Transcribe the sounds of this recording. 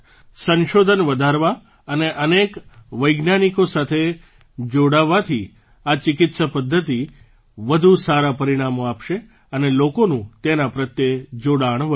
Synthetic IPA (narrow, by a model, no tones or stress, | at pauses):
sə̃nʃod̪ʱənʋəd̪ʱaɾʋa | əneʔənekʋəjɡnanikosat̪ʰe | d͡ʒoɽaʋːat̪ʰi | at͡ʃɪkɪt̪səpəd̪ʱːət̪i | ʋəd̪ʱusaɾapəɾiɽ̃amoapʃe | ənelokonũt̪enapɾət̪jed͡ʒoɽaɳ̃ʋə